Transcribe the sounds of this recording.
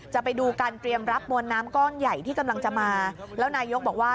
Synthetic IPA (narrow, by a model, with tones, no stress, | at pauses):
t͡ɕa˨˩pa˧jduː˧kaː˧nt̪ɾi˧əmɾa˦˥p̚mu˧ənːaː˦˥mkɔː˥˩nja˨˩jt̪ʰiː˥˩ka˧mla˧ŋt͡ɕa˨˩maː˧lɛː˦˥wnaː˧jo˦˥k̚bɔː˨˩k̚waː˥˩